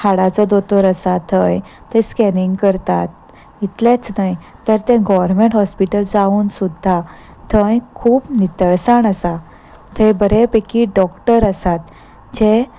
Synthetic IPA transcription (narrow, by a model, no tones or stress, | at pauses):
kʰaɽat͡sɔd̪ot̪ɔɾəsat̪ʰə̃j | t̪ɛ̃skɛniŋɡkəɾt̪at̪̚ | it̪let͡snaj | t̪əɾt̪ɛ̃ɡɔʋəɾmeɳʈɦɔspiʈəld͡zauːnsud̪ʱːa | t̪ʰə̃jkʰuːpnit̪əɭsaɳəsa | t̪ʰẽjbəɾepekiɖɔkʈəɾəsat̪ | d͡ʑe